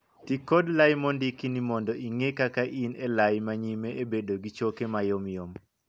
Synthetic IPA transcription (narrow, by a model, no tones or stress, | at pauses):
tikodlajmɔndikinimɔndɔʔiŋekakaʔinelajmaɲimeʔebedoɡit͡ʃokemajomjom